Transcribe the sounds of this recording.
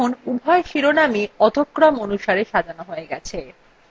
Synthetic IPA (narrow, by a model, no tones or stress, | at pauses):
onubʱɔeʃiɾonamiɔd̪ʱokːɾɔmonuʃaɾeʃad̪ʱanoɦoeɡɛt͡ɕʰe